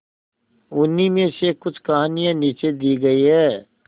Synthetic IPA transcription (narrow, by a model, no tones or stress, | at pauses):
ʊnːimẽsekʊt͡ʃʰkɐɦaːnijãniːt͡ʃed̪iːɡɐiɦɛː